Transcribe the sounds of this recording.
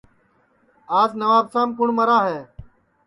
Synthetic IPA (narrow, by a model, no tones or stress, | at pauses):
aːznəʋaːbsãːmkʊɳməɾaːɦeː